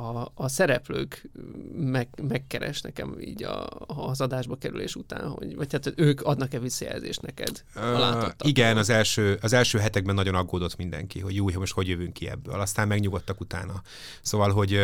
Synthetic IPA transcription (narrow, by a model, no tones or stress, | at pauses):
ɒːsɛɾɛpløːk | mɛmɛkːɛɾɛ̰ʃnɛkɛ̰mḭːɟɒ̰ːzɒd̪aːʒbɒkɛɾylḛːʃut̪a̰ːnɦo̞̰ɟʋɒchat̪øːkɒd̪nɒkɛʋisːɒjɛ̰lzeːʃt̪nɛkɛ̰d̪laːt̪ːoːiɡɛnɒzɛlʃøːɒzɛlʃøːɦɛt̪ɛɡ̚bɛnːɒɟo̞nɒɡːoːd̪o̞t̪mind̪ɛ̰ŋkiɦo̞ɟjuːjɦɒmoʃt̪ho̞ɟjøvyŋkːiɛ̰bːø̰ːlɒst̪aːmmɛɡɲuɡo̞t̪ːɒkut̪a̰ːnɒ | soːvɒlɦo̞ɟ